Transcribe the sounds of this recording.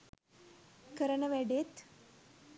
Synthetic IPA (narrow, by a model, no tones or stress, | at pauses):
kəɾəɳəʋɛɖet̪